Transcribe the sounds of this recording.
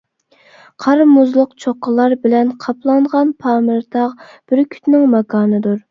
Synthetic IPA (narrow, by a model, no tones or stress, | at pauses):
qʰɑɾmuzlˠʊqt͡ʃʰoqːəlˠɑɾbɪlɛnqʰɑplˠɑɴʁɑnpʰɑːmɨɾt̪ʰɑʁb̥ɪɾkʲʰy̥t̪nɪŋmɑkʰɑːnɨd̪uɾ